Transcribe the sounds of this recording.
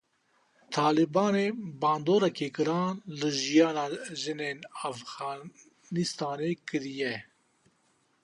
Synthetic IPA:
t̪ʰaːlibɑːneːbɑːnd̪oːɾɛkeːkɨɾɑːnlɨʒijɑːnɑːʒɨneːnafɣɑː | nist̪ɑːneːkɨɾijɛ

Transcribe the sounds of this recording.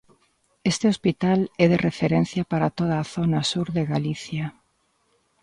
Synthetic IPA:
est̪eospit̪alɛðerefeɾen̟θjapaɾat̪oð̞aːθonasuɾðeɣaliθja

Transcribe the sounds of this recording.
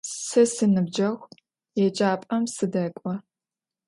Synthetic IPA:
sɨsɨnɨbd͡ʒɐxʷ | jɛt͡ʃʼaːpʼɐmsɨdɐkʷʼɔ

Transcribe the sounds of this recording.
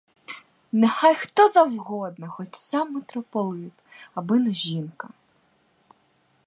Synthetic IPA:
nexɑjxt̪ɔzɐwɦɔd̪nɐxɔt͡ʃsɑmmːet̪ɾɔpɔlˠɪt̪ɐbɪnɐʒʲinkɐ

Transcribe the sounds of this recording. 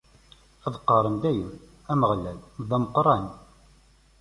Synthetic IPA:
æðˤqːɑɾˤənd̪æju | æməʁlælðˤɑməqɾˤɑn

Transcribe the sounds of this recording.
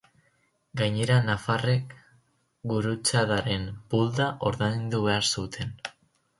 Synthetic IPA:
ɡajɲe̞ɾanafare̞k | ɡuɾut͡saðaɾe̞mpuld̪aʔo̞ɾðajnd̪uβe̞aɾsut̪ʰe̞n

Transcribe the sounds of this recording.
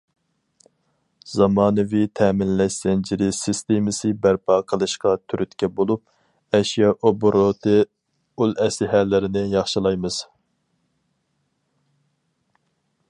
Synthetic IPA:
z̥ɑmɑːnɨvit̪ʰɛːmɪnlɛʃsɛnd͡ʒiɾɪsɨst̪emɪsɨbæɾpʰɑːqʰəlˠɨʃqɑt̪ʰyɾyt̪kʲɛbolˠup̚ | ɛʃjɑʔoboɾot̪ʰɨ | ulˠɛsɪɦælːɪɾɪnɪjɑχʃilˠɑjmɨz̥

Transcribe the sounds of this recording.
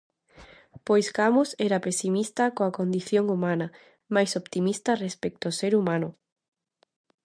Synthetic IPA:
pojskamuseɾapesimist̪akoakond̪iθjoŋumãna | majsopt̪imist̪arespek̚t̪ooseɾumãnʊ

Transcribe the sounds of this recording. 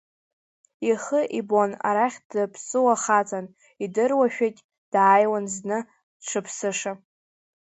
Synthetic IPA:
iχəʔibona̰ɾaχʲdɨpʰsɨwaχat͡sʰʼan | idɨrwaʃᶣakʲʼ | d̥ːjwanznɨ̥ | ʈ͡ʂʷʰɨpʰsɨʂa

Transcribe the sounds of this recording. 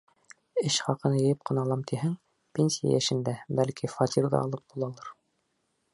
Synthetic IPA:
ɘɕχɑqɤ̆njɤ̆jɤp̚qɤ̆nɑːlˠɑmt̪ʰiɦɘŋ | pʲenʲsʲija̰ɘ̆ʃɘ̆nd̪æbælkʰifɑt̪ʲirðɑ̰ɑ̰lˠɤp̚bulˠɑlˠɑɾ

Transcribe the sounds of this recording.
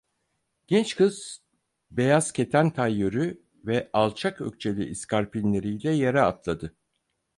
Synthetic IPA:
ɟ̥ɛnt͡ʃkɯz̥ | be̞jaz̥cʰe̞t̪ʰænkʰajːøɾy | vɛʔalˠt͡ʃʰakøc̚t͡ʃʰe̞lʲiʔiskʰaɾpinlʲe̞ɾijlʲɛjeɾɛat̪ʰlˠad̪ɯ

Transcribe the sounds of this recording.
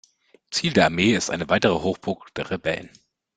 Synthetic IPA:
t͡siːldeːɐaɐmeːɪstʔa̰ɪnəvaɪtəʁ̞əɦoːxb̥ʊːk̚d̥eːɐʁebɛ̰ln

